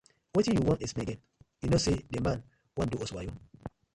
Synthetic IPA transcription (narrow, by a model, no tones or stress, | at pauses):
wetĩjuwɔ̃nismẽɡɛ̃n | jinosedemãn | wãduɔswajũ